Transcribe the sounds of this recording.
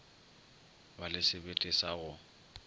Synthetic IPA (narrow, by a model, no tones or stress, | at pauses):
balɪsɪbetʼɪsaɣʊ